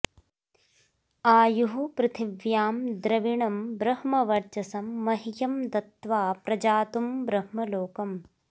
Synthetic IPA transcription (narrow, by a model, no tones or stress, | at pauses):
aːjuɦupɾɪt̪ʰiʋjaːmd̪ɾɐʋiɳɐmbɾɐhmɐʋɐɾt͡ʃɐsɐmːɐɦijɐmd̪ɐt̪ʋaːpɾɐd͡ʒaːt̪umbɾɐhmɐloːkɐm